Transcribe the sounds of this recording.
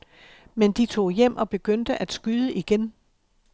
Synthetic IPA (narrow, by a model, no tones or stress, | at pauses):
mend̥it͡sʰo̝̰ːjem̰ʔɒ̽b̥e̝ɡ̥øn̰d̥əʔæd̥sɡ̥yðˠəʔiɡ̥en